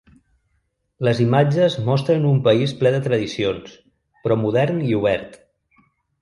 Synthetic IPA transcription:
ləzimad͡ʒəzmɔst̪ɾənumpəisplɛðət̪ɾəðisions | pɾɔmuð̞ɛɾniuβ̞ɛɾt̪

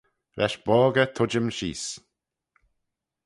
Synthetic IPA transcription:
ɾʔɛʃbɔːɡət̪ʰʊd͡ʒəmʃḭːs

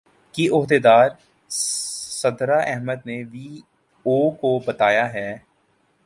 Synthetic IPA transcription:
kiʔʊɦd̪eːd̪aːɾ | sɐd̪ɾaʔɛɦməd̪neʋiː | oːkobɐt̪aːjaɦɛː

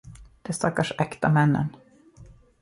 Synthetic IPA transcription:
d̪̥ɛst̪akaʂɛkt̪amɛnːə̰n

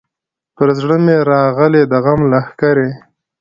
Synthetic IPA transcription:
pəɾzɽəmeɾɑɣəled̪əɣamlahkaɾe

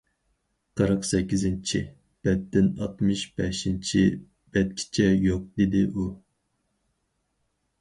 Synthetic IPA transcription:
qʰɑɾəqsɛkʲːizɪnt͡ʃʰi | b̥ɛt̪ːɪnɑt̪mɨʃb̥ɛʃint͡ʃʰi | b̥ɛt̪̚kʲʰi̥t͡ʃʰɛjoq̚d̪ed̪ɪʔu

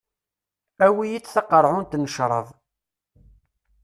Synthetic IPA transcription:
æwijit͡sːθɑqəɾˤʕʊnt̪nəʃɾˤə̰ðˤ

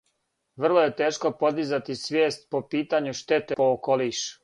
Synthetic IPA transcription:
ʋr̩lˠoje̞t̪eːʃko̞po̞d̪izat̪isʋjeːst̪̚po̞piːt̪aɲuʃt̪et̪eookoliʃ

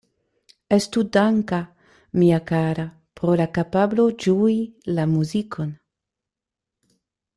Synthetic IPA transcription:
estudaŋka | miakaɾa | pɾo̞lakapablo̞d͡ʒuilamuzikʰo̞n

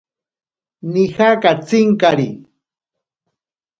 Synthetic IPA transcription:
nɪxakat͡sɪŋkaɾi

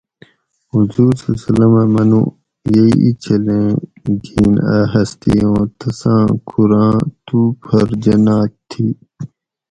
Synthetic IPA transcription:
huzuːɾsɐsɐlɐmamɐnṵ̃ | jeiit͡ɕɐlẽːɡiːnaːɦɐst̪ḭõːt̪ɐsãːkʰuɾãːt̪uːpʰɐɾd͡ʑɐnãːt̪ʰːi

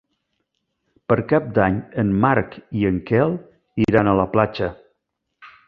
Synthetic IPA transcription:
pəɾkap̚d̪aɲənmaɾkiəŋkɛlˠ | iɾanələplat͡ʃə

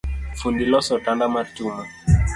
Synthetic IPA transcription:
fundilɔsɔtandamatuma

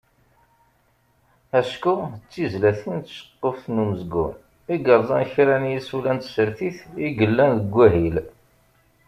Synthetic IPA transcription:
æʃkuət͡sːizlæθənt̪ʃə̥qːəfnuməzɡṵn | iɡəɾˤzˤɑnçɾænjisulænt̪səɾθiθiɡəlːænðəɡʷːæɦil

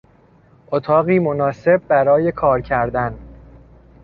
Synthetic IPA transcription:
ʔot̪ʰɒːɣiːmo̞nɒːse̞b̚ːæɾɒːje̞kʰɒːɾcʰæɾd̪æn

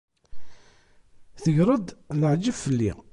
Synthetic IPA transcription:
θəʝɾˤəd̪ləʕd͡ʒəvfəlːḭ

